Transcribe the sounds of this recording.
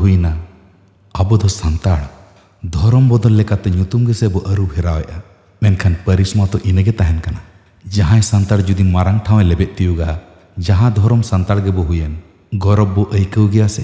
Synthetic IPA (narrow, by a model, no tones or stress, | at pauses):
ɦujna | abɔd̪ɔsant̪aɽ | d̪ʱɔɾɔmbɔd̪ɔlːɛkat̪ɛɲut̪umɡɛsɛbɔʔəɾubhɛɾawɛʔa | mɛnkʰanpəɾismat̪ɔʔinəɡɛt̪aɦɛnkana | d͡ʒaɦãjsant̪aɽd͡ʒud̪imaɾaŋʈʰãw̃ɛlɛbɛʔ̪̚t̪ijuɡa | d͡ʒaɦãd̪ʱɔɾɔmsant̪aɽɡɛbɔɦujɛn | ɡɔɾɔbːɔʔəjkəwɡɛjasɛ̰